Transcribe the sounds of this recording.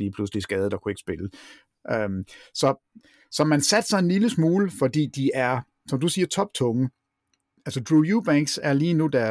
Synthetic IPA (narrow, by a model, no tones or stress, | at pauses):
liːpʰlus̬əlisɡ̥ɛːðˠəd̥ɑ̈kʰue̝ɡ̥ə̥sb̥e̝lə | ʔømsɒ̽ | sɒ̽mænsæd̥sɑ̈ɪe̝nliləsmuːləfɒ̽d̥ḭːd̥iʔæɐ | sɒ̽md̥usiːɐt͡sʰɒ̽b̥t͡sʰɔ̽ŋə | ælsəd̥ʁujub̥æŋɡ̥sæɐliːnud̥æɐ